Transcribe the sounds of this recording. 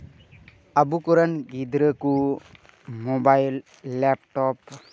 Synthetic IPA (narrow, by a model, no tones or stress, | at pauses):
abukɔɾanɡid̪ɾəku | mobajlː | ɛp̚ʈɔp